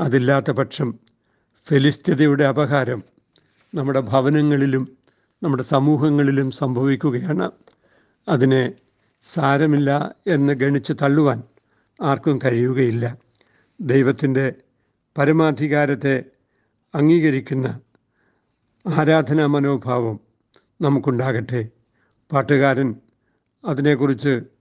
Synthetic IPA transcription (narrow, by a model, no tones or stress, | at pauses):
ɐðilːaːt̪ːɐpɐʈʂɐm | felist̪iðɐjuɽe̞ɐbɐɦaːɾɐm | nɐmːuɽe̞bʱɐʋɐnɐŋːɐɭilum | nɐmːuɽesɐmuːɦɐŋːɐɭilumsɐmbʱɐʋikʲːuɣɐjaːɳɨ | ɐðine | saːɾɐmilːɐe̞nːɨɡɐɳit͡ɕːɨt̪ɐɭːuʋaːn | aːrkɐmkɐɻijuɣɐjilːɐ | d̪ejʋɐt̪ːinde̞ | pɐɾimaːd̪ʱiɣaːɾɐt̪ːe̞ | ɐŋːiːɣɐɾikʲːunːɐ | aːɾaːd̪ʱɐnɐmɐno̞ːbʱaːʋɐm | nɐmukːuɳɖaːɣiʈːe | paːʈːuɣaːɾɐn | ɐðine̞kːurit͡ɕːɨ